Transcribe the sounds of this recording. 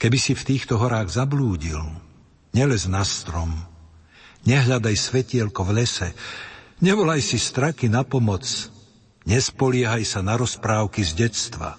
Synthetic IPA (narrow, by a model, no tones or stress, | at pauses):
kɛbisift̪iːxt̪ɔɦɔɾaːɣzabluːɟil | ɲɛlɛznast̪ɾɔm | ɲɛɦʎad̪ajsʋɛcɪɛlkɔvʎɛsɛ | ɲɛʋɔlajsist̪ɾakinapɔmɔt͡s | ɲɛspɔlɪɛɦajsanaɾɔspɾaːʊkizɟɛt͡st̪ʋa̰